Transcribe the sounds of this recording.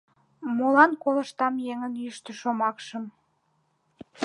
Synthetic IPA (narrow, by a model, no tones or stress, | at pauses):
molɑnkolə̆ʃt̪ɑmjeŋənyʃt̪əʃomɑkʃəm